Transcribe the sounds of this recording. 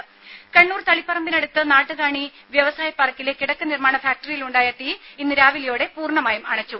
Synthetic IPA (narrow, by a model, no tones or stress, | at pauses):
kɐɳːuːrt̪ɐɭipːɐrɐmbinɐɽut̪ːɨnaːʈːɨkaːɳi | ʋjɐʋɐsaːjɐpːɐːrɐkːileːkːiɽɐkːɐnirmaːɳɐfaːk̚ʈɐrijiluɳɖaːjɐt̪ːiinːɨɾaːʋilɐjo̞ːɽe̞puːrɳɐmaːjumɐɳɐt͡ɕːu